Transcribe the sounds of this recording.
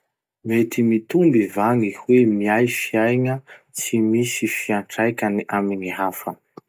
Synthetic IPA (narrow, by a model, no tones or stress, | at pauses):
met̪imit̪umbivaŋihwemiajfiajŋə | simisifiaɳʈ͡ʂajkʲaniʔaminiɦafə